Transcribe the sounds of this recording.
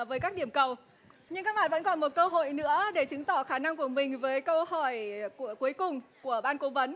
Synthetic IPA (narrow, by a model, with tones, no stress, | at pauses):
vəː˨˦jkaː˦˥k̚ɗi˧˩əmkə˨˩w | ɲɨ˧ŋkaː˦˥k̚laː˨˩jvə̰˧˥nkɔ˨˩nmo˨˩t̚kəː˧ɦo̰˧˨jnɨ̰˧˥əɗe˧˩t͡ɕɨ˨˦ŋt̪ɔ˧˩xaː˧˩na˧ŋku˧˩əmï˨˩ŋ̟vəː˨˦jkə˧whɔ˧˩jkəku˨˦əjkʊ˨˩ŋ͡mku˧˩əɓaː˧nko˨˦və˨˦n